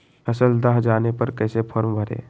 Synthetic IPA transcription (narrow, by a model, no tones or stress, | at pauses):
əsəld̪aɦd͡ʒaːnepəɾkəːsepʰəɾmbʱəɾḛː